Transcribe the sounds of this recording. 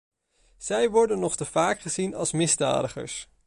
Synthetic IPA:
z̥ɛjʋɔɹdənːɔχtəv̥aːkχəz̥inɑ̰lˠsmɪzda̰ːdəχə̰ɹs

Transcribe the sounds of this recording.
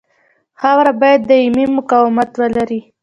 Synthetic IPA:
xawɾabɑjad̪ːəimimʊkawɪmat̪wəlaɾi

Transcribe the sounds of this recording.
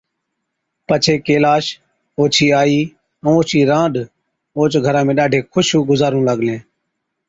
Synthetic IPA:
pət͡ʃʰeːkeːlaːʃ | oːt͡ʃʰiːaːĩː | oːt͡ʃʰiːɾãːɖ | oːt͡ʃɡʱəɾãːmẽːɗaːɖʱeːkʰʊʃũːɡʊzaːɾũːləɠlẽː

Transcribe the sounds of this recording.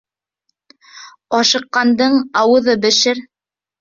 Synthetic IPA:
ɒʃɤ̆qːɑnd̪ɤɴɑwɤ̆ðɤbɘ̆ʃɘɾ

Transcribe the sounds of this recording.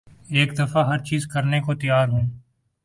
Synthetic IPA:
eːkd̪ɐfaɦɐɾt͡ʃiːzkɐɾnekot̪ɐjaːɾɦũː

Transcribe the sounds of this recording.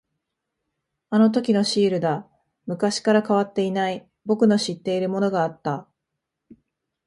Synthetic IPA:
ano̞t̪̬o̞kʲino̞ɕiːɾɯ̟d̪a | mɯ̟kaɕi̥kaɾakaβ̞at̪ːe̞inai | bo̞kɯ̟no̞ɕit̪ːe̞iɾɯ̟mo̞no̞ɡaːt̪ːa

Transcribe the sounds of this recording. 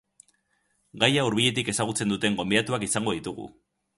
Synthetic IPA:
ɡajauɾβ̞iʎe̞t̪̬ike̞saɣ̞ut͡se̞nd̪ut̪e̞ŋɡo̞mbiat̪uakisaŋɡoð̞it̪uɣ̞ṵ

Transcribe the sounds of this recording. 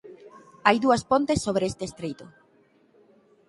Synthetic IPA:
ajðuɐspont̪esːoβ̞ɾeest̪eːst̪ɾejt̪ʊ

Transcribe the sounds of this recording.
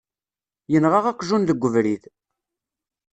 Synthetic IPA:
jənʁəʁæqʒunðəɡʷːəvɾiθ

